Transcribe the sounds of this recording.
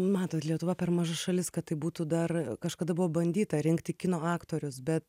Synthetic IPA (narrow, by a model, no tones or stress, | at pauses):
mɑːt̪oːt̪lʲiɛt̪ʊʋɐpʲɛrmɐʒɐʃɐlʲɪskɐt̪t̪ːɐɪbuːt̪uːd̪ɐrkɐʃkɐd̪ɐbʊʋoːbɐnʲd̪ʲiːt̪ɐɾʲɪŋkt̪ʲɪkʲɪnoːɑːkt̪oːɾʲʊsbʲɛt̪